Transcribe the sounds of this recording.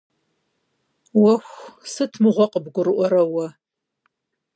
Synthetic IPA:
wɐxʷsɨtʰmɨʁʷɔqəbɡʷʊrɨʔʷɔɾɐwɐ

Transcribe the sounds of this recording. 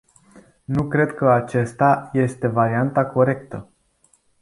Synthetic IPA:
nukɾe̞d̪kəat͡ʃe̞st̪aje̞st̪e̞vaɾiant̪ako̞ɾe̞k̚t̪ə̰

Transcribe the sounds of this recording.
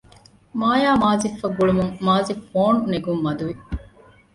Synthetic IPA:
maːjaːmaːzifːɐɡuɭumuŋmaːzifoːnuneɡumːɐd̪uʋi

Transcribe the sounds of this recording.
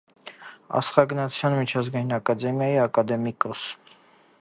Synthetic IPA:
ɑ̰sχɑɡnɑt͡sʰjɑnmit͡ʃʰɑzɡɑjinɑkɑd̪ɛmjɑjiɑkɑd̪ɛmikɔs

